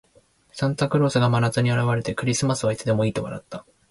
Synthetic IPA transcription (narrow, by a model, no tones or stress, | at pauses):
sãnt̪akɯ̟ɾo̞ːsɨɡamanat͡sɨɲ̟iaɾaβaɾe̞t̪e̞kɯ̟ɾʲisɨmasɨβaitt͡sɨd̪e̞mo̞iːt̪o̞βa̰ɾa̰t̪ːa